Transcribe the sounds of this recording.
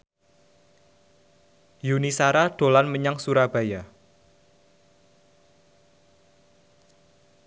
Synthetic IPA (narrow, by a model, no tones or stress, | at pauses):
junisaɾaɖ̥o̤lanməɲaŋsuɾab̥a̤ja